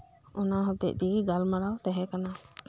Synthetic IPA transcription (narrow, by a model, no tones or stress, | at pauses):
ɔnaɦɔt̪ɛ̰ʔ̚d̪iɡiɡalmaɾawt̪ɛɦɛ̃kana